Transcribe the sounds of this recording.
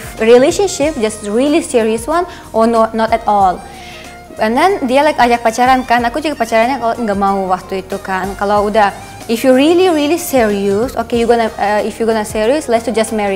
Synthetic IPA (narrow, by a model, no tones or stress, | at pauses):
fɹileʃɔ̃nʃip̚d͡ʒasɹilisiɹiəswãn | ʔɔnɔnɔt̪ɛt̪ɔl | ɛndɛndialajkad͡ʒak̚pat͡ʃaɾankanakud͡ʒuɡapat͡ʃaɾanɲakalaʔŋɡaʔmauwak̚t̪uit̪ukankalaudah | ifjuɹiliɹilisiɹiusokejuɡɔnaifjuɡɔnasiɹiuslɛst̪ud͡ʒasmɛɹi